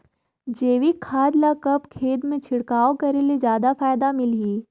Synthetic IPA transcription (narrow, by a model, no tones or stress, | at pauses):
d͡ʒeːʋikʰːaːd̪lakɐpkʰeːd̪mẽt͡ʃʰɪɽkaːokɐɾelezjaːd̪afaːjd̪amɪlɦiː